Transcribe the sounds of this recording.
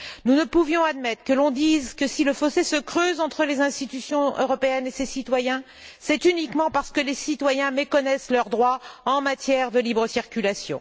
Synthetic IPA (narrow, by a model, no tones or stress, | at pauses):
nunəpuvjɔ̃ad̪mɛt̪χə̥kəlɔ̃d̪izkəsiləfɔsesəkχøzɑ̃t̪χəlezɛ̃st̪it̪ysjɔ̃ø̰ʁɔpeɛnesesit̪wajɛ̃ | sɛt̪ynikmɑ̃paʁsə̥kəlesit̪wajɛ̃mekɔnɛslœʁd̪ʁwaɑ̃mat̪jɛʁd̪əlibʁəsiʁkʲylasjɔ̰̃